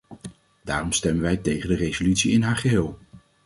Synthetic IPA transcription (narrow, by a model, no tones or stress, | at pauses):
d̥aːrɔmstɛmənʋɛjtejχəndərejzolytsiɪnɦaːɹχəɦɪːlˠ